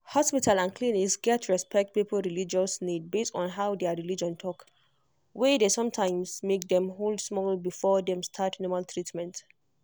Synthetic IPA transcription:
hɔspitʰalˠãnkʰliniksɡɛtʰɹɛspʰɛk̚t̚pipʰəl̩ɹilid͡ʒɔsnid̚bestɔ̃nɦaʊdɛɹilid͡ʒɔ̃ntʰɔk | wɛdesɔ̃mtʰãɪ̃msmek̚dɛ̃mɦoldsmɔlbifɔdɛ̃mstʰatnɔmaltʰɹitmɛ̃nt

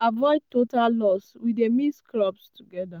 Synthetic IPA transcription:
avɔɪd̚totalːɔswidemisklɔbstuɡɛda

